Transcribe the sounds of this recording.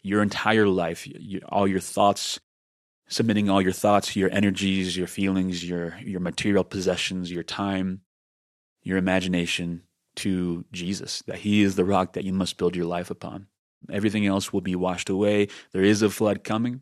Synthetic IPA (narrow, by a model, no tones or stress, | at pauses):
jə˞ɨ̃ntʰaɪə˞laɪfjɔ̰lˠjə˞θɔtsː | ɨb̚mɪɾɪ̃ŋɔlˠjə˞θɔtsjə˞ʔɛ̰ɾ̃ə˞d͡ʒizjə˞filˠɪ̃ŋzjə˞jə˞mɨtʰɪɹil̩ˠpʰɨzɛʃɨ̃n̩zjə˞tʰãɪ̃m | jə˞ɨmæd͡ʒɨneɪʃɨ̃n | tʰɨd͡ʒizɨ̰sðɨ̰t̚hiɪzðəɹɑk̚ðɨ̰t͡ʃɨmʌstb̥ɪlˠd͡ʒə˞laɪfəpʰɑ̰̃n | ʔɛvɹiθɪ̃ŋɛlˠswəlˠbiwɑʃtəweɪðə˞ɪzəflʌd̚kʰʌmɪ̃ŋ